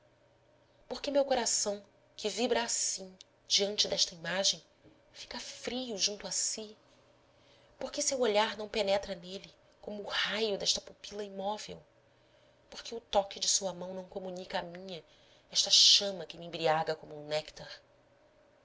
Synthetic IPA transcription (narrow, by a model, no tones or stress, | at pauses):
poɾkɪmewkoɾasɐ̃w̃ | kʰɪvibɾɐːsĩ | d͡ʒiɐ̃nt͡ʃɪd̪ɛʃt̪ɐimaʒẽj̃ | fi̥kɐfɾijʊʒũt̪ʊasi | poɾkɪsewoʎaɾnɐ̃w̃penɛt̪ɾɐnelɪ | kõmʊːhajʊd̪ɛʃt̪ɐ̥pupilɐimɔvḛw | poɾkeʊt̪ɔkɪd͡ʒɪsuɐmɐ̃w̃nɐ̃w̃komunikɐamĩɲɐ | ɛʃt̪ɐʃɐ̃mɐkɪmɪẽbɾiaɡɐkõmʊũnɛkt̪aɾ